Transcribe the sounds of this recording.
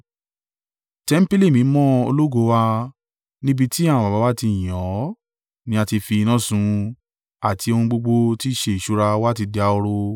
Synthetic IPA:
tɛ˦m̩˦pi˦li˦˨mĩ˨˦mɔ̃˦o̰˧lo˦ɡo˨˦wa˧ | nĩ˦bi˦˧ti˦ã˦˨ã˨ba˨ba˨˦wa˦ti˧˨j̃ɔ̃˨˦ | nĩ˧˦a˧ti˧fi˧nã˦˨sũ˧ | a˨tʰi˧o˧hũ˧ɡ͡bo˧ɡ͡bo˧ti˦˧ʃe˦˨ʃu˦ɾa˧wa˦t̬i˧di˧a˧o˧ɾo˧

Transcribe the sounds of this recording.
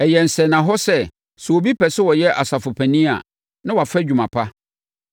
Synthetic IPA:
ɛ˨jɛ˨n̩˨sɛ˨nã˨ɦɔ˦sɛ˦ | sʊ˨o˨bi˦pɛ˨sɪ˦wɔ˨jɛ˦ʔa˨sa˨fʊ˨pʰæ̃˨nĩ˦a̰˨ | nã˦wa˨fɾɛ˦d͡ʑᶣu˨mã˨pʰa˦

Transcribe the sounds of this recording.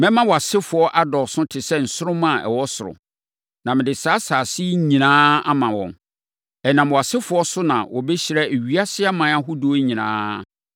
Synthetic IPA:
mɛ̃˦mã˦wɔ˨a˨sɪ˦fʊ˨ɔ˦ʔa˦dɔ˨sʊ̃˦tʰɪ˨sɛ˦n̩˨sʊ˦ʊ̃˦mã˦˨ɛ̰˨wɔ˦sʊ˨ɾʊ̰̃˨ | nã˨mɪ̃˨dɪ˨saː˦saː˨si˦ɲĩ˨nãː˦a˦mã˨wɔ̰̃˨m | ɛ˨nã˨m˨wɔ˨a˨sɪ˦fʊ˨˦ɔ˦sʊ˦nã̰˨wʔɔ˨bɛ˦ɕɪ˨ɾɛ˦e˨ɥi˦a˦sɪ˦a˦mã˨a˦ɦʊ˦do˨˦ɲĩ˨nã̰ː˦

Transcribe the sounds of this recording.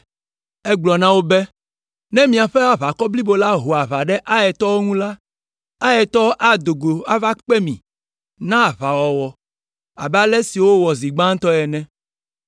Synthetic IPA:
ɛ˦ɡ͡blɔ˨nã˦wo˦bɛ˦ | nɛ̃˦mĩ˨a˨ɸɛ˦a˦βa˨kɔ˦bli˦bo˨la˦ɦo˨a˨βa˨ɖɛ˦ʔa˦jɛ˨t̪ɔ˦wo˦ŋũ˦la˦ | a˦jɛ˨t̪ɔ˦ʔa˨d̪o˨ɡo˨a˦va˦k͡pɛ˦mḭ̃˨ | nã˦˨βa˨wɔ˨wɔ˨ | a̰˨bɛ˦a˦lɛ˦si˨wo˦wɔ˨zi˨ɡ͡bã˦ŋ˦t̪ɔ˦ɛ˨nɛ̃˦

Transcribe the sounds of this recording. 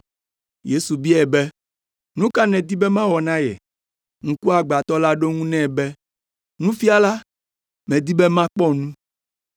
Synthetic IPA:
je˦su˨bi˦ɛ˨bɛ˦ | nũ˦ka˦nɛ̃˨d̪i˦bɛ˦mã˦wɔ˨nã˦jɛ̰˨ | ŋ̩̃˨ku˦a˨ɡ͡ba˨t̪ɔ˦la˦ɖo˦ŋũ˦nɛ̃˦˨bɛ˦ | nũ˦fi˦a˦la˦ | mɛ̃˨d̪i˦bɛ˦mã˦k͡pɔ˦nũ˦

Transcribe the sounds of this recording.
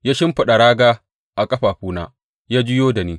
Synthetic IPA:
jaː˦ʃɪ˦mɸɐ˨ɗa˨ɽaː˦ɡaː˦ | ʔa˨kʼɐ˦ɸaː˨ɸuː˦na̰ː˦ | jaː˦d͡ʒɪ˦joː˦da˨niː˦

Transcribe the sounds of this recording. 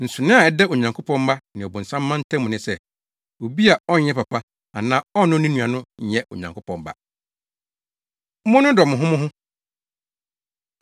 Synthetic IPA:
n̩˨sʊ˨nɪ̃˦a˨ɛ˨dɛ˦o˨ɲã˨ŋkʰʊ˦pʰɔ̃˦m˦ba˦nɪ̃˨ɔ˨bɔ̃˨n̩˨sã˦mː˦ã˦n̩˦tʰɛ̃˦mʊ̃˨nɪ̃˦sɛ˦ | o˨bi˦a˨ɔ˦ɲ˦jɛ˦pa˨pʰa˦ | a˨nãː˦ɔ˦nʊ̃˦nĩ˦nũ˨a˨nʊ̃˦ɲ̩˨jɛ˦ʔo̰˨ɲã̰˨ŋkʰʊ˦pʰɔ̃˨mba̰˦ | mʊ̃˦nʊ̃˦dɔ˨mʊ̃˨ɦʊ̃˦mʊ̃˦ɦʊ̃˦

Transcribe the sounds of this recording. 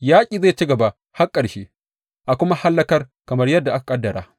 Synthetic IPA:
jaː˦kʲʼiː˨za˦˨t͡ʃi˦ɡɐ˨ba˨ | ha˦kʼːɐ˨rʃi˦ | ʔa˨kʷʊ˦ma˦ha˦lːɐ˦kɐ˦rkɐ˨mɐ˦rjɐ˦dːa˨ʔa˦ka˨kʼɐ˦dːɐ˨ɽaː˦

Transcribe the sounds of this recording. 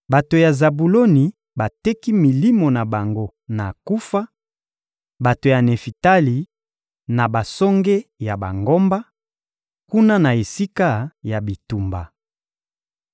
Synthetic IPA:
ba˨to˨ja˨za˨bu˨lo˦ni˨ | ba˨tɛ˦ki˦mi˨li˦mo˨na˨ba˨ŋɡo˦ | na˨ku˦fa˦ | ba˨to˨ja˨ne˨fi˨ta˦li˨ | na˨ba˨sɔ˦ŋɡe˦ja˨ba˨ŋɡo˦mba˦ | ku˦na˦na˨e˨si˦ka˦ja˨bi˨tu˨mba˨

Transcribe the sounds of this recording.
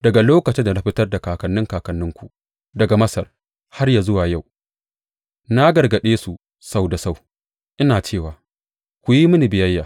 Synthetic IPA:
d̥ɐ˨ɡa˨loː˦kɐ˨t͡ʃɪ˦nda˨na˦ɸɪ˦tɐ˦rda˨kaː˨kɐ˨nːɪ˦ŋkaː˨kɐ˨nːɪ˦ŋkʷu˨ʔ | dɐ˨ɡa˨mɐ˦sɐ˨r | ha˦rjaː˨zʊ˦waː˨ja˦˨w | na˦ɡɐ˨rɡɐ˨ɗeː˦su˨ | sa˦wda˨sa˦˨w | ʔɪ˦naː˨t͡ʃeː˦˨waː˨ | kʷu˨ji˦mʊ˦ni˨bɪ˨jɐ˦jːaː˨

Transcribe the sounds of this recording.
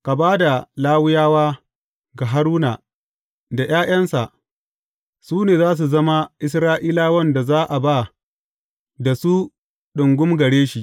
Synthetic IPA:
ka˨baː˦da˨laː˦wɪ˦jaː˦waː˦ | ɡa˨ɦa˦ɾuː˦na˨ | da˨j̰aː˦j̰ɐ˦nsa˨ʔ | suː˦neː˨zaː˦s̬u˨zɐ˦ma˦ʔɪ˦s̬ɾaː˦ʔiː˦laː˦wɐ˦nda˨zaː˦ʔa˨ba˦˨ | da˨su˦ | ɗʊ˨ŋɡʷʊ˦mɡɐ˨ɽeː˦ʃi˨

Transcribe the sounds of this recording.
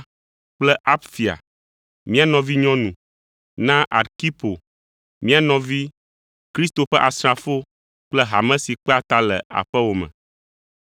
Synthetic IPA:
k͡plɛ˦ʔa˦pfi˨a̰˨ | mĩ˦a˦nɔ̃˨vi˦ɲɔ̃˦nũ˨ | nã˦ʔa˨ɾki˦po˨ | mĩ˦a˨nɔ̃˨vi˦ | kɾi˦st̪o˨ɸɛ˦ʔa˨sɾa˨fo˦ | k͡plɛ˦ɦa˨mɛ̃˦si˨k͡pɛ˦a˨t̪a˦lɛ˨a̰˨ɸɛ˦wo˨mɛ̰̃˨

